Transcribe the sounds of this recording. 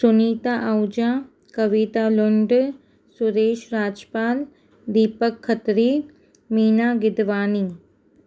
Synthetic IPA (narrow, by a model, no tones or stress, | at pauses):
sʊniːt̪aʔɐwd͡ʒaː | kɐʋit̪aːlʊɳɖ | sʊɾeːʃɾaːd͡ʒpaːl | d̪iːpəkʰːət̪ɾiː | miːnaːɡɪd̪ʋaːniː